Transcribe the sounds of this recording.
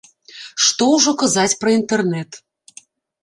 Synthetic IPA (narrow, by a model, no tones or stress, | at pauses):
ʂt̪ɔwʐɔkɐzat͡sʲpɾɐint̪ɛrnɛt̪